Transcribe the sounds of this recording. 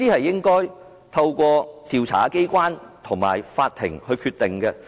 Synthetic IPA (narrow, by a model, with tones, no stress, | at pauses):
t̪iː˥hɐ˨jːɪ˥ŋkɔː˥j | t̪ʰɐ˧wkʷɔː˧t̪iː˧wt͡sʰa̰ː˨˥ke˥jkʷaː˥nt̪ʰʊ˨˩ŋma̰ː˨˩jfaː˧t̚t̪ʰːɪ̰˨˩ŋhɵ˧ɥkʰyː˧t̪̚ːɪ˨˩ŋkɛ˧